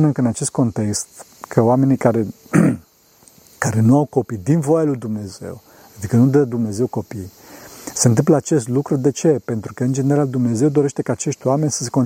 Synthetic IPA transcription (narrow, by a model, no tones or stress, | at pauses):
nekəɨnat͡ʃe̞st̪ko̞nt̪e̞kst̪ | kʰəoame̞nikaɾe̞ | kaɾe̞nuawko̞pid̪invo̞jalujd̪umne̞ze̞̰w | ad̪ikənud̪əd̪umne̞ze̞wko̞pij | se̞ɨnt̪ɨmp̬ləat͡ʃe̞st̪lukɾud̪e̞t͡ʃe̞pe̞nt̪ɾukəɨnd͡ʒe̞neɾald̪umne̞ze̞wd̪o̞ɾe̞ʃt̪e̞kaːt͡ʃe̞ʃt̪ʲoame̞nʲsə̥se̞kon